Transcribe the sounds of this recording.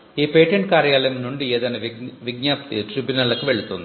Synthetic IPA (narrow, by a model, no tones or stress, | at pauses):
iːpeːʈːeɳɖ̚kaːrjaːlɐmnuɳɖieːðaːnɐʋʋiɡ̚ɲaːpt̪itribjunɐɭɐkːɨʋeɭut̪ːunːu